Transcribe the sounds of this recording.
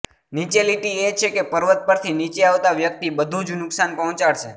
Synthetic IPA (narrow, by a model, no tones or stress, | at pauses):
nit͡ʃeliʈiet͡ʃʰekepəɾʋət̪̚pəɾt̪ʰinit͡ʃeaʋt̪aʋjək̚t̪ibəd̪ʱũd͡ʒnʊksanpəɦɔ̃t͡ʃaɭʃʰe